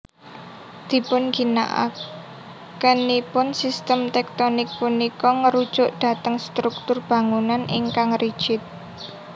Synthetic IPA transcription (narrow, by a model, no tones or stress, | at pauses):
d̪̥i̤pʊnɡ̥i̤na̰ʔa̰k | kːənipʊnsist̪əmt̪ɛk̚t̪onik̚punikɔŋəɾud̥ʒ̥ʊʔɖ̪̥ä̤t̪əŋst̪ɾuk̚t̪ʊrb̥ä̤ŋunaniŋkaŋrid̥ʒ̥ɪt̪̚